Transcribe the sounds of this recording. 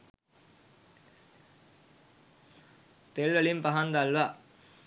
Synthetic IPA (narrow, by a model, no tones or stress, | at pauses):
t̪eɭʋɐɭimpɐɦand̪alʋa